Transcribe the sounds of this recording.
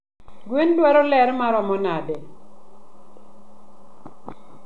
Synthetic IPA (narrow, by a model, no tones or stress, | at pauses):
ɡwendwaɾɔlɛɾmaɾɔmɔnade